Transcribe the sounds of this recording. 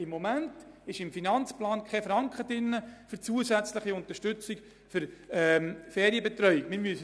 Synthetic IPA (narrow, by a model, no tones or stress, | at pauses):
ɪmːomæntɪʃɪmfinɑnt͡splɑːnkχɛfɾɑŋkχədɪnːəfʏɾt͡suəzæt͡slɪχiʊnt̪əʃtʏt͡sik | fʏɾɛmfɛːɾiəbetɾœʏiɡmɪɾmyəs